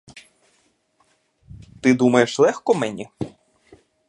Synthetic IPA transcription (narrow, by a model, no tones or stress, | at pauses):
t̪ɪd̪umɐjeʃlˠɛxkɔmɛnʲi